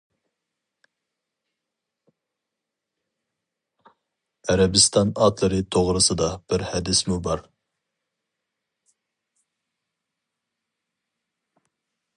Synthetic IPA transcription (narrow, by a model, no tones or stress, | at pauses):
æɾɛbɨst̪ɑnɑt̪lˠɨɾɨt̪ʰoʁɾɨsɨd̪ɑb̥ɪɾhɛd̪ɪsmubɑɾ